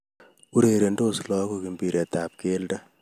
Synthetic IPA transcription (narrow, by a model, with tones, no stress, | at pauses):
u˦ɾeɾe˨ndo˦slɔ˦ko˦ki˨mbi˨ɾe˨tap̚ke˦ldɐ˦